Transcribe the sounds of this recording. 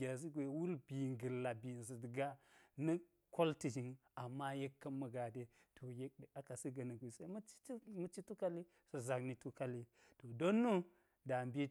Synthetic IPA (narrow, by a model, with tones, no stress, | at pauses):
a˨z̬i˦ɡʷe˨wu˦lbi˨ŋɡə˨lːa˨bi˨n˨zi˨dɡa˦nɐ˦ | ko˦lti˨d͡ʒi˨ŋa˨mːa˦je˦kːɐ˦mːɐ˨ɡa˨de˦tʰo˨je˦k̚ɗe˨a˦ka˨si˦ɡɐ˨nɐ˨ɡʷe˨se˦mɐ˦t͡ʃi̥˦mu˦t͡ʃi˦tu˦ka˦li˦ | sɐ˨za˨kni˨tu˦ka˦li˦ | to˨do˦nːu˦ | da˨mbi˦